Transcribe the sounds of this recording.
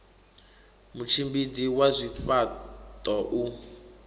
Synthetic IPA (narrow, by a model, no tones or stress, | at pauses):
mut͡ʃʰimbid͡ziwazʷifatʼɔʔu